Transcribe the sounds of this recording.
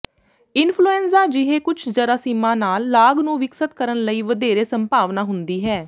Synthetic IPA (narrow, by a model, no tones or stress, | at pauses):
ɪnpʰluːɛːnzaːd͡ʒɪɦeːkʊt͡ʃʰd͡ʒəɾaːsimãːnaːlːaːɡnũːʋɪksət̪kəɾənləiːʋəd̪eːɾeːsəmpaːʋnaːɦʊnd̪iːɦɛː